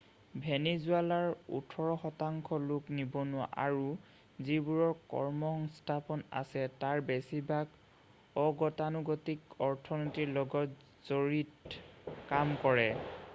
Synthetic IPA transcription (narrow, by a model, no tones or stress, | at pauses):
bʱenizʊalaɹṵtʰɔɹɔxɔtaŋkʰɔlʊknibɔnʊwa̰ʔaɹu | zibuɹɔɹkɔ̰ɹmɔxɔŋstʰapɔna̰sɛtaɹbesibʱaɡ | ɔɡɔtanuɡɔtikɔɹtʰɔnɔtiɹlɔɡɔt | z̥oɹit | kamkɔɹɛ